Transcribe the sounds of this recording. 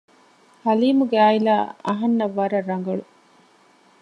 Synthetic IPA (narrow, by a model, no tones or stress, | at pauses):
hɐliːmuɡeaːilaːɐɦɐnːɐʋːɐɾɐɾːɐŋ̆ɡɐɭu